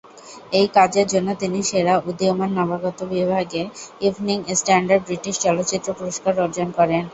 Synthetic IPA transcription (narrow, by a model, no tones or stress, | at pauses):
ejkad͡ʑeɾd͡ʑonːot̪iniʃeɾaud̪iomanːabaɡɔt̪obibʱaɡeivniŋesʈaɳɖaɾɖ̚bɾiʈiʃt͡ɕɔlot̪ːɕit̪ːɾopuɾoʃkaɾɔɾd͡ʑonkɔɾen